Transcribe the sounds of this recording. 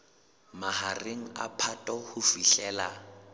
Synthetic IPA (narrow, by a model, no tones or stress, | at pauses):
mahareŋ̩a̰pʰatʼɔhʊfiɬɛːla